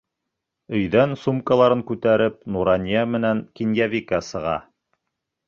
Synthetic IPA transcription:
ɵ̆jðænsumkalˠɑɾɤŋkʉt̪æɾɘp̚nuɾɑnʲijamɘ̆næŋkinjævʲikɑsɤ̆ʁɑ̰

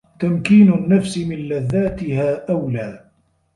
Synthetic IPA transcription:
t̪amkiːnʊnːafsɪmɪnlaðːaːt̪ɪhaːʔawlaː

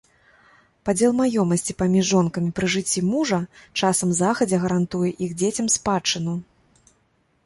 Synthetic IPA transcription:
pad͡zʲɛlˠmajɔmɐsʲt͡sʲipamʲiʐːɔnkɐmʲipɾɨʐɨt͡sʲːimuʐɐt͡ʂasɐmzaxɐd͡zʲɛɣɐɾant̪ujɛʔiɣd͡zʲet͡sʲɐmspat͡ʂɨnu

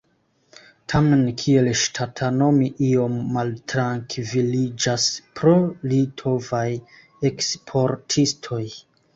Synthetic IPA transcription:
tʰamenkʰie̞lʃtʰatʰano̞miʔio̞mːaltɾaŋkvilid͡ʒaspɾo̞litʰo̞vaj | e̞kspʰo̞ɾtʰistʰo̞j

